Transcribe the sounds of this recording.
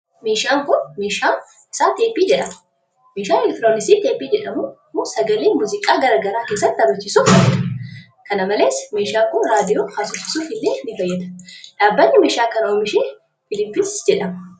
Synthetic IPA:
meːʃaːŋkʊnmeːʃaːn | ɪ̥saːt̪e̞ːpːiːd͡ʒɛᶑɐm | meːʃaːɛlɛk̚t̪ɪɾoːnɪsiːt̪eːpːiːd͡ʒɛᶑɐmu | ʊsɐɡɐleːnmʊzɪkʼaːɡɐɾaːɡɐɾaːke̞ːs̬ːɐt̪ːɐbɐt͡ʃːiːsuːfɐjːɐd̪ɐ̥ | kɐnɐmɐle̞ːsmeːʃaːŋkʊnɾaːd̪ɪjoːhaːsʊsɪsuːfɪlːeːnɪfɐjːɛd̪ɐ̥ᶑaːbːɐɲːɪmeːʃaːkɐnɐoːmɪʃeː | fɪlɪpːɪsd͡ʒɛᶑɐmɐ

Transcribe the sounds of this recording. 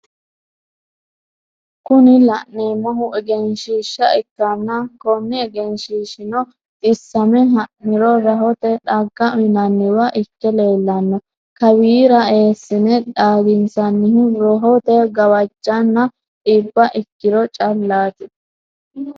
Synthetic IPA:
kʊnɪlɐʔneːmɐɦʊʔɛɡɛnʃiːʃːɐɪkːɐnːɐkɔnːɪɛɡɛnʃiːʃɪnɔ | t̪ʼɪsːɐmɛɦɐʔɪɾɔɾɐɦɔt̪ɛᶑɐɡːɐnɐnːɪwɐʔɪkːɛle̞ːlːɐnːɔ | kɐwiːɾɐe̞ːsːɪnɛᶑaːɡɪnsɐnːɪɦɪɾɔɦɔt̪ɛɡɐwɐd͡ʒːɐnːɐ | ᶑiːbːɐʔɪkːɪɾɔt͡ʃʼɐlːaːt̪ɪ

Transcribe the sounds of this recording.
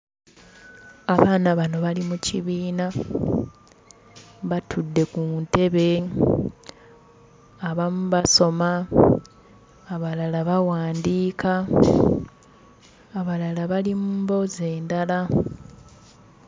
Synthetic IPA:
aβaːnaβano̞βalimuciβiːna | βatʰudːe̞kuːnte̞βe̞ | aβamuβaso̞ma | βalalaβawaːndiːkʰa | βalalaβalimuːmbo̞ze̞ːndala

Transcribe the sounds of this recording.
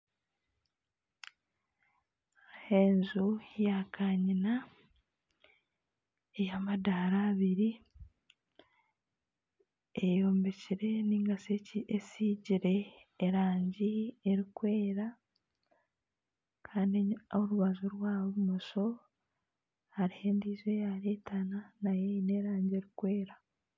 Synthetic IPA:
heːnɲzujakʰaɲina | ejamadaɾaːβiɾi | ejoːmbeciɾe̞niːŋɡaseciesiːɟiɾe̞ːɾaːɲɟieɾikweːɾa | kʰaːndoɾuβazoɾwaːβomoso̞ | haɾihe̞ːndiːzwe̞jaɾeːtananajeine̞ɾaːɲɟie̞ɾikwe̞ːɾa

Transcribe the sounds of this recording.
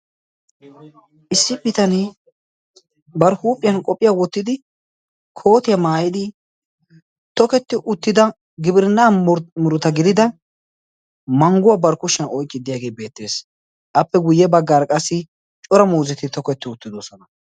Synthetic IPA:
ʔɪsːɪbɪt̪ɐnɪ | bɐɾhuːpʼːɪjɐnkʼɔpʼːɪjaːwɔt̪ːɪd̪ɪ | kʰo̞ːt̪ɪjɐmaːjɪd̪ɪ | t̪ɔkɛt̪ːɪʔʊt̪ːɪd̪ɐ | ɡɪbɪɾɪnːaːmʊɾʊt̪ɐɡɪd̪ɪd̪ɐ | mɐŋɡʊwabɐɾkʊʃɐnɔjkʼːɪd̪ɪjaːɡe̞ːbe̞ːt̪ːe̞ːs | ʔɐpːɛɡʊjːɛbɐɡːaːɾkʼɐsːɪ | t͡ʃʼɔɾɐmuːzɛt̪ɪt̪ɔkɛt̪ːɪʊt̪ːɪd̪oːsɔnɐ

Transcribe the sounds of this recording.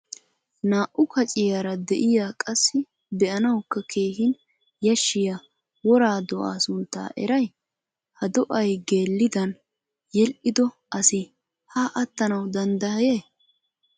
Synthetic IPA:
naːʔʊkɐt͡ʃʼɪjaɾɐd̪ɛʔɪjaːkʼɐsːɪ | bɛʔɐnɐwkːɐkʰe̞ːhɪn | jɐʃːɪja | wɔɾaːd̪ɔʔa̰ːsʊnt̪ːa̰ːʔɛ̰ɾɐj | hɐd̪ɔʔɐjɡeːlːɪd̪ɐn | jɛlʔɪd̪ɔ | ʔɐsɪ | haːʔɐt̪ːɐnɐwd̪ɐnd̪ɐhɐjeː

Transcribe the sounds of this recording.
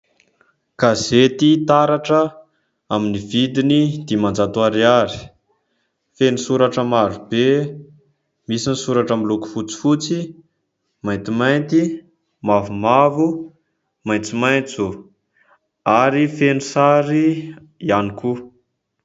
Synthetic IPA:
kazet̪it̪aɾaʈ͡ʂə | aminivid̪inid̪̥imand͡zat̪uaɾiaɾi̥ | fenisuɾaʈ͡ʂəmaɾube | misinisuɾaʈ͡ʂəmiluku̥fut͡si̥fut͡si | majnt̪imajnt̪i | mavumavu | majnt͡simajnt͡su | aɾifenusaɾi | ianiku

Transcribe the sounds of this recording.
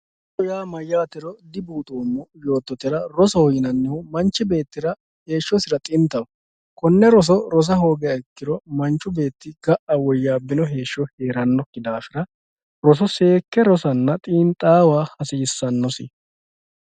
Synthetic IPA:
ɔjaːmɐjːaːt̪ɪɾɔd̪ɪbuːt̪ʼoːmːɔjo̞ːt̪ːɔt̪ɪɾɐɾɔsɔhjɪnɐnːɪhʊmɐnt͡ʃːɪbe̞ːt̪ːɪɾɐ | he̞ːʃːɔsɪɾɐt̪ʼɪnt̪ːɐwɔ | kɔnːɛɾɔs̬ɔɾɔs̬ɐɦo̞ːɡɛjɐɪkːɪɾɔmɐnt͡ʃːʊbe̞ːt̪ːɪɡ̥ɐʔɐwɔjːaːbɪnɔɦe̞ːʃːɔheːɾɐnːɔkːɪd̪aːfɪɾɐ | ɾɔs̬ɔse̞ːkːɛɾɔsɐnːɐt̪ʼiːnt̪ʼaːwaːhɐsɪjɪsːɐnːɔsɪ̰

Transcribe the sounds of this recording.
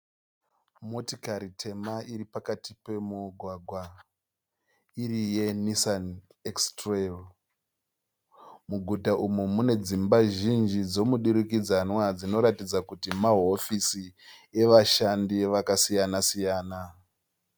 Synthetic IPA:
mo̞tikaɾitʰe̞maiɾipakatipe̞muɡʱwaɡʱwa | irije̞nisan | ekstrel | muɡʱutaʔumumune̞d͡zimbaʒind͡ʒid͡zo̞muɗiɾikid͡zanwad͡zino̞ɾatid͡zakutimaɦo̞fisie̞ʋaʃandiʋakasijanasijaːna

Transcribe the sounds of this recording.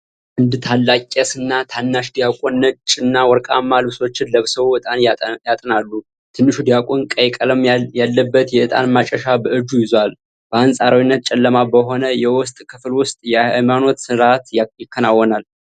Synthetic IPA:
ʔɨnd̪t̪ʰalːakʼːɛsɨnːat̪ʰanːaʃd̪ijakʼonːət͡ʃʼːɪnːawɔɾkʼamːalbɨso̞t͡ʃːɪnləβsəβɨt̪ʼanjat̪ʼɨnalːu | t̪ʰɨnːɨʃud̪ijakʼonkʼəjkʼələmjalːəbːət̪jɛʔɨt̪ʼa̰nmat͡ʃʼəʃabəʔɨd͡ʒujɪzwal | b̥əansʼaɾawinːət̪̚t͡ʃʼɛlːəmabəɦo̞nəjɛwʊst̪ʼkʰɨflwʊst̪ʼjɛʔɨmano̞t̪sɨɾat̪jjɪkːənawːɔnal

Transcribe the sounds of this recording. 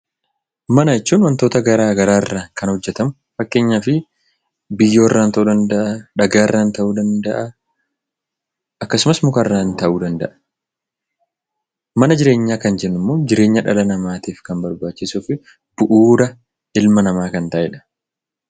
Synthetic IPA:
mɐnɐɪt͡ʃːuːnwɐnt̪oːt̪ɐɡɐɾaːɡɐɾaːɪrːaːkɐnhɔd͡ʒːɛt̪ɐmʊ | fɐkːe̞ːɲːaːfɪ | bɪjːo̞ːɪrːaːnt̪ɐʔuːd̪ɐnd̪ɐʔɐᶑɐɡaːɪrːaːnt̪ɐʔuːd̪ɐnd̪ɐʔɐ | ʔɐkːɐsʊmɐsmʊkarːaːnt̪ɐʔuːd̪ɐnd̪ɐ̰ʔɐ̥ | mɐnɐd͡ʒɪɾe̞ːɲːaːkɐnd͡ʒɛnːʊmːo̞ːd͡ʒɪɾe̞ːɲːɐᶑɐ̰lɐnɐmaːt̪iːfkɐmbɐɾbaːt͡ʃːɪsuːfɪ | b̥ʊʔuːɾɐ | ɪlmɐnɐmaːkɐnt̪ɐʔɛᶑɐ̥

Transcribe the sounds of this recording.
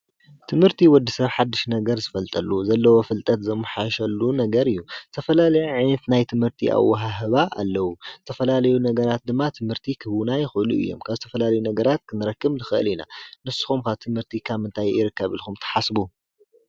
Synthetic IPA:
t̪ʰɨmhɨɾt̪ʰiwɔd̪ːisɐβħad̪ːɨʃnɐɡɐɾzɨfɐlt̪ʼɐlːuzɐlːɐwo̞fɨlt̪ʼɐt̪zɐmːɨħaʃɐlːunɐɡɐɾɨjːuzɨt̪ʰɐfɐlalɐjuʕajnɐt̪najt̪ʰɨmhɨɾt̪ʰḭʔa̰wːɐɦaɦɨβaa̰lːɐwuzɨt̪ʰɐfɐlalɐjunɐɡɐɾat̪̚d̪ɨmːat̪ʰɨmhɨɾt̪ʰikʰɨβunajɪxɨʔluɨ̰jːo̞̰mkʰaβzɨt̪ʰɐfɐlalɐjunɐɡɐɾat̪kʰɨnɨɾɐkːɨmzɨxɨʔɨ̰lina̰nɨsu̥xumkʰaβt̪ʰɨmhɨɾt̪ʰikʰaβɨnt̪ʰajɪ̰ɾɨkːɐβɨ̰lxumt̪ʰɐ̥ħasbu

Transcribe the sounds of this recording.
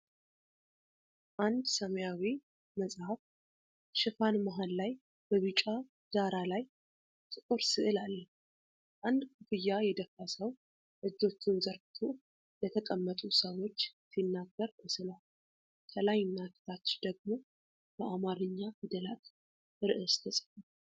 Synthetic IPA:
ʔand̪səməjawi | məsʼhaf | ʃɪfanmaɦallaj | b̥əβɨt͡ʃʼa | z̥aɾalaj | t̪ʰʼɨkʼuɾsɨʔɨlalːə | ʔand̪kʰufɨjːajɛd̪əfasəw | ʔɨd͡ʒːo̞t͡ʃːɪnzəɾft̪ʰo | lət̪ʰək̪ʼəmːət̪ʼusəwo̞t͡ʃːsinːaɡːəɾkʰəsɨlal | k̪ʰəlajɪnːak̪ʰt̪ʰat͡ʃːd̪əɡ̚mo̞ | b̥əʔamaɾɨɲːahɨd̪əlat̪ | ʔɨɾʔɨst̪ʰəsʼəfa

